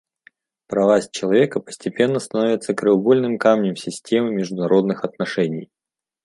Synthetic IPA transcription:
pɾɐvasʲt͡ɕɪlˠɐvʲe̞kəpə̥sʲtʲɪpʲe̞nːəst̪ɐno̞vʲɪt̪səkɾɨʊɡo̞lʲnɨmkamnʲɪmsʲɪsʲtʲe̞mɨmʲɪʐd̪ʊnɐɾo̞d̪nɨxɐt̪nɐʂɛnʲɪj

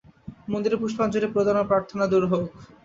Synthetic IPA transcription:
mond̪iɾepuʃpand͡ʑoɾepɾod̪ʱanopɾaɾt̪ʰonad̪uɾɦok

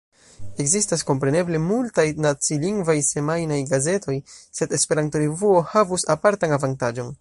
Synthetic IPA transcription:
e̞ɡzistasko̞mpɾe̞ne̞ble̞multajnat͡siliŋɡvajse̞majnajɡaze̞tʰo̞jse̞de̞spe̞ɾantoɾevuo̞havusapaɾtanavantad͡ʒo̞n

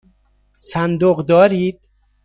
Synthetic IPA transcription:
sænd̪oɣd̪ɒːɾiːd̪̥̚

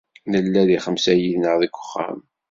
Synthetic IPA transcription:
nəlːæðiχəmsæjiðnəʁðikʷːə̥χːæ̰m

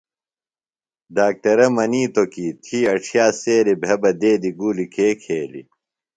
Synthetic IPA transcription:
daːk̚ʈ̪ɐɾɐmɐniːt̪okiːt̪ʰiːɐʈ͡ʂʰjaːseːɾibʱɐbɐd̪eːd̪iɡuːlikʰeːkʰeːlḭ

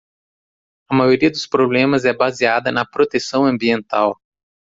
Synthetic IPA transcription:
ɐmajoɾiɐd̪ʊspɾoblẽmɐzɛbaziad̪ɐnɐpɾot̪esɐ̃w̃ɐ̃mbiẽnt̪aw

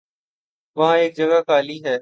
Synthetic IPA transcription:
ʋɐɦãːeːk̚d͡ʒəɡaːkaːliːɦɛː

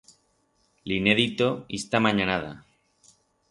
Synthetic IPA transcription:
line̞ðit̪oist̪amãɲanaða̰

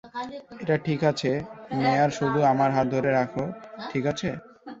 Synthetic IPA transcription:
eʈaʈʰikat͡ɕʰemeaɾʃud̪ʱuamaɾɦat̪̚d̪ʱoɾeɾakʰoʈʰikat͡ɕʰe

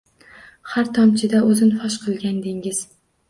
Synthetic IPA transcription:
haɾt̪ʰɒmt͡ʃʰɪd̪aɵzɪnfɒʃqʰɨlˠɡʲand̪ɪŋɪz̥

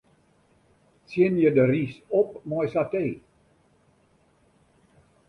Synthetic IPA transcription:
sɪnjədərisɔp̚mɔjsateː

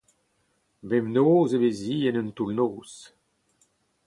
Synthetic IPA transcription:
bɛmnoːzeveziːɛnənt̪ulnoːs

